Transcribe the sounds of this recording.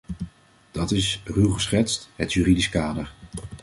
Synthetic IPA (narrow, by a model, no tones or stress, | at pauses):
d̥ɑtɪsrywχəsχɛtstɦətjyːridiskaːdəɹ